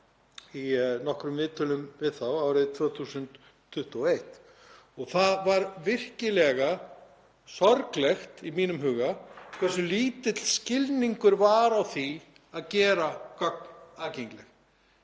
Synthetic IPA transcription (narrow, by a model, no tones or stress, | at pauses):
inɔhkɾʏmvɪːt̪ʏlʏmvɪðθawawɾɪðt̪ʰvɔːwθuːsʏnt̪ʰː | ʏht̪ʊɔejht̪ | ɔɣθaðvaɾvɪr̥cɪlɛɣa | sɔɾklɛxt̪imiːnʏmɦʏːɣakʰvɛsːʏliːt̪ɪt̪l̥scɪlniŋkʏɾvaɾawθi | aðcɛːɾakœk̚naːðcɛŋklɛx